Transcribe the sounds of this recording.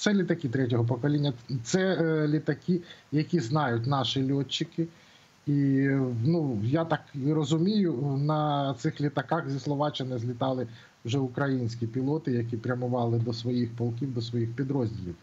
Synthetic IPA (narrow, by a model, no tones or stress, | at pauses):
t̪sɛlʲit̪ɐkʲit̪ɾɛtʲɔɦɔp̬ɔkɔlʲinʲːɐt̪sɛlʲit̪ɐkʲijɐkʲiznɑjʊtʲnɑʃɪlʲɔt͡ʃːɪkɪ | inujat̪ɑkrɔzʊmʲijʊnɐt̪sɪxlʲit̪ɐkɑxzʲislˠɔʋɑt͡ʃɐnɪzʲlʲit̪ɑlˠɪ | wʒɛʊkɾɐjinʲsʲkʲipʲilˠɔt̪ɪjɐkʲipɾʲɐmʊʋɑlˠɪd̪ɔsʋɔjixpɔlˠkʲiwd̪ɔsʋɔjixpʲid̪ɾɔzʲdʲilʲiw